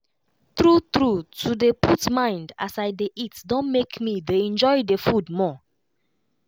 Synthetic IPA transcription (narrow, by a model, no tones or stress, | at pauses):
tɹutɹutʰudepʰutmãɪ̃nda̰sajdeʔitdɔ̃nmekmideɛ̃nd͡ʒɔɪdefudmɔ